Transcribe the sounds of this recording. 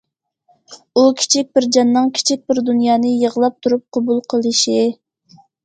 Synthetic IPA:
ukʲʰi̥t͡ʃʰik̚ʲbɪɾd͡ʒɑnːɨŋkʲʰi̥t͡ʃʰik̚ʲbɪɾd̪unjɑːnɨjəʁlˠɑp̚t̪ʰuɾup̚qʰɑbulˠqʰəlˠɨʃi

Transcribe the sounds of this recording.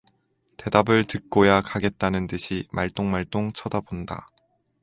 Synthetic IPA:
te̞dabɯɭtɯk̚k͈ojakaɡe̞t̚t͈anɯntɯɕʰima̰ɭt͈oŋmaɭt͈oŋt͡ɕʰʌdabonda̰

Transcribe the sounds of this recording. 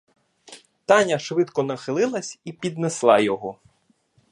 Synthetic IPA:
t̪ɑnʲɐʃʋɪt̪kɔnɐxɪlˠɪlˠɐsʲipʲid̪neslˠɑjɔɦɔ

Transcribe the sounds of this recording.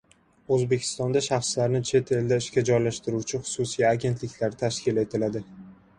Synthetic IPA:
ɵzbe̞kʲʰɪ̥st̪ɒnd̪aʃɑχslaɾnɪt͡ʃʰe̞t̪ʰe̞ld̪aɪʃkʲad͡ʒɒjlaʃt̪ɪɾuwt͡ʃʰɪχʊ̥susijaɡʲe̞nt̪ʰlɪkʲlaɾt̪ʰaʃkʲɪle̞t̪ʰɪlad̪ɪ

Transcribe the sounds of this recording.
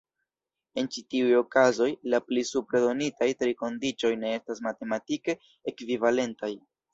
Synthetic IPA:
e̞nt͡ʃitiujo̞kazo̞jlaplisupɾedo̞nitajtɾiko̞ndit͡ʃo̞jne̞e̞stas̬mate̞matike̞ | ekvivale̞ntaj

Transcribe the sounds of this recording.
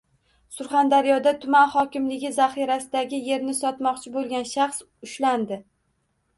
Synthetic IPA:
sʊɾχand̪aɾijɒd̪at̪ʰʊmanχɒkʲɪmlɪɡʲɪzaχiɾasɪd̪aɡʲɪje̞ɾnɪsɒt̪mɒqt͡ʃʰɪbolˠɡʲanʃaχs | ʊʃland̪ɪ

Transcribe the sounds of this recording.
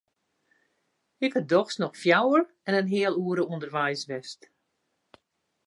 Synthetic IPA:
ɪkədɔxsnɔxfjawər | ɛnənɦɪəlˠuəɾəundərʋɛjsʋɛst

